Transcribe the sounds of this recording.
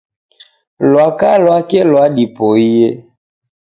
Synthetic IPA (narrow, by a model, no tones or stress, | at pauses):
lwakalwakɛlwadipɔijɛ